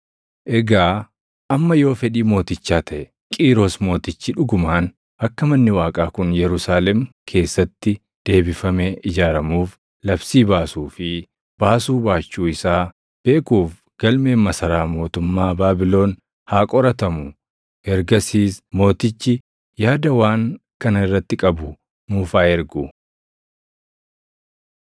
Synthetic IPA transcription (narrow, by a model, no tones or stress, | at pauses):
ʔɛɡaː | ʔɐmːɐjo̞ːfɛᶑiːmo̞ːt̪ɪt͡ʃːaːt̪ʰɐʔɛ | kʼiːɾoːsmo̞ːt̪ɪt͡ʃːɪᶑʊɡʊmaːn | ʔɐkːɐmɐnːɪwaːkʼaːkʊnjɛɾʊsaːlɛm | kʰe̞ːsːɐt̪ːɪ | d̪̥e̞ːbɪfɐmeʔɪd͡ʒaːɾɐmuːf | lɐbsiːbaːsuːfɪ | b̥aːsuːbaːt͡ʃːuːɪsaː | b̥e̞ːkuːf | ɡ̥ɐlme̞ːmːɐsɐɾaːmo̞ːt̪ʊmːaːbaːbɪlo̞ːn | haːkʼɔɾɐt̪ɐmʊ | ɛɾɡɐsiːsmo̞ːt̪ɪt͡ʃːɪ | jaːd̪ɐwaːŋkɐnɪrːɐt̪ːɪkʼɐbʊ | muːfaːɛɾɡʊ